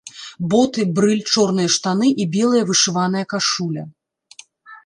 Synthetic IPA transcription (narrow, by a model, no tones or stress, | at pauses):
bɔt̪ɨbɾɨlʲt͡ʂɔrnɨjɐʂt̪anɨʔibʲɛlˠɐjɐvɨʂɨvan̪ɐjɐkaʂulʲɐ